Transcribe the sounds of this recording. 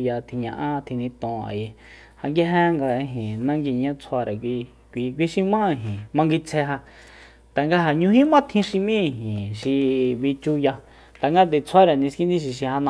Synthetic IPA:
ja˧t̪ʰi˧ɲã˧ʔã˦˧t̪ʰi˧nĩ˧t̪õː˨a̰˨je˧ | ha˧ŋɡi˦ɦẽ˦ŋɡa˧ɦĩ˨nã˦˧ŋɡi˧˨ɲã˦t͡sʰa˧ɾa˨kʷi˧ | kʷi˧kʷi˧ʃi˧mã˦˧˨ɦĩ˨mã˧ŋɡi˧t͡sʰe˧ɦa˧ | t̪a˨ŋɡa˧ɦa˨ɲũ˧ɦĩ˦mã˦t̪ʰĩ˧˦ʃi˧mĩ˦˧ɦĩ˨ʃi˧βi˧t͡ʃu˧ja˧ | t̪a˨ŋɡa˦t̪̬e˨t͡sʰa˦ɾa˨nĩ˧skĩ˦nd̪ĩ˦ʃ̬i˧ʃi˧ha˧nã˧

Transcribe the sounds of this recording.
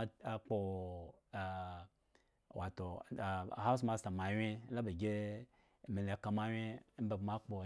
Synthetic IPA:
a˨k͡po˧˨ | wa˨to˨ha˦s̬ma˧sta˨ma˨wʲe˦la˦be˨ɡʲe˦˨ | me˨le˨ka˧ma˦wʲe˦m̩˦be˨bma˦k͡po˨

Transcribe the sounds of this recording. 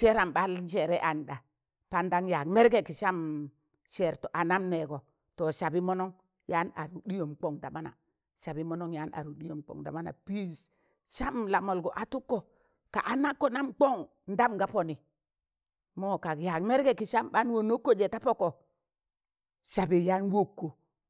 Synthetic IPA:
t͡ʃe˦ɾa˨mɓa˦lʃe˨ɾɛ˦ʔa˨ɲ˨ɗa˨ | pa˦nda˦ŋja˨kme˦ɾɡe˨ki˨ʃa˦m | ʃe˨ɾto˨ʔa˨na˦mne˨ɡo˨ | to˨ʃa˨bi˦mo˦no˦ŋ | ja˦na̰˨ɾu˨ɗi˦jo˨mk͡po˦ŋda˨ma˦na̰˨ | ʃa˨bi˦mo˦no˦ŋja˦nʔa̰˨ɾu˨ɗi˦jo˨mk͡po̰˨ŋda̰˨ma˦na̰˨pi˦ | ʃa˦mla˨mo˨lɡo˨ʔa˨tu˦kːo˨ | ka̰˨ʔa˨na˦kːo˨na˦mk͡po˦ŋ | n̩˦da˦mɡa˦po˨ni˨ | mo˦ka˨kja˨kme˦ɾɡe˦˨ki˨ʃa˦mɓa˦nwo˦no˦kːo˦d͡ʒe˨ta˦po˦ko˨ | ʃa˨bi˨ja˦nwo˦kːo˨

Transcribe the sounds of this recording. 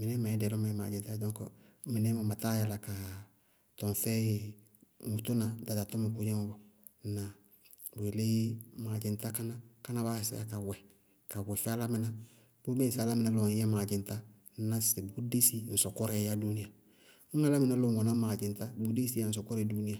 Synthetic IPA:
mɪ˨nɛ˦ma˨ɛ˦dɛ˨lɔ˦ma˨ɛ˦ma̰˨d͡ʒɪ˨ta˦dɔ̃˦ŋkmɪ˨nɛ˦ma˨ma˨ta˦ja˨la˨ka˨ | tɔ˨n˨fɛ˦˨ | mu˨to˦na˨da˨da˨tɔ˦mɪ˨ku˦jɛ˦ŋɔ˦bɔ˨ | na˨ | bu˨e˨le˦jmaː˨d͡ʒɪ˨n˦ta˦ka˦na˦ka˦na˦βaː˦˨sḭ˦a̰˦ka˨wɛ˨ | ka˨wɛ˨fɛ˦a˦la˦mɪ˦na˦ | b̥u˦be˦˨sa˨la˦mɪ˨na˦lɔ˨˦jɛ˦maː˨d͡ʒɪ˨nta˦ | na˨se˨bu˦de˦si˦n̩˨sɔ˨kɔ˦ɾɛ˨ja˦du˦ni˦ja˨ | ŋ̩˦ŋa˦la˦mɪ˨na˦lo˨ŋɔ˨na˦maː˨d͡ʒɪ˨nta˦bu˦de˦si˦ja˨˦n̩˨s̬ɔ˨kɔ˦ɾɛ˦˨˦du˦ni˦ja˨

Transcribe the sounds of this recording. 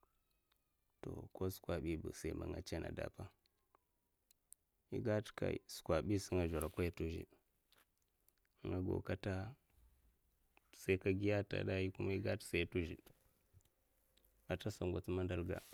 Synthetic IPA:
to̰˨ko˦su̥˨kʷa˨ɓi˦bṵ˨sa˦i˦ma̰˨ŋɡa˦t͡ʃa˦nʔa̰˨da̰˨pa˦ | ḭ˦ɡa˦tka̰˨ḭ˨su̥˨kʷa˨ɓi˦si˦ŋa˨ʒa˨ɾa˨kʷa˦ja˦tu˦ʒḭ˨ | ŋɡa˦ɡo̰˨ka˦ta˦ | sa˦i˦ka˦ɡi˦ja˦ta̰˨da˦ji˦ku˦ma˦i˦ɡa˦tsa˦i˦tu˦ʒḭ˨ | a˨ta˦sa˨ŋɡʷa˨t͡si˦ma˦nda˦lɡa̰˨

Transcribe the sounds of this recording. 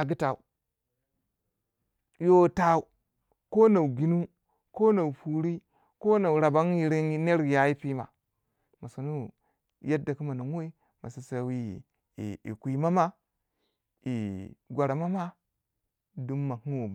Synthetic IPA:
a˨ɡi˦ta˨u˨ | jo˦ta˦u˨ | ko˦na˨wu˨ɡi˦nu˦ | ko˦na˨u˨pu˨ɾi˦ | ko˦na˨wu˨ɾa˨ba˦ŋji˨ɾi˦n˦ne˦ɾja˦ji˦pi˦ma̰˨ | ma˨su˨nu˦ | ja˦dːa˨ki˦ma˨nu˨ŋ˦wo˦i˦ | ma˨si˦sa˨wḭ˦˨ | ḭ˨kʷi˨ma˦ma˦ | i˨ɡʷa˨ɾa˨ma˦ma˦ | du˦mːa˨ŋu˦wo˨

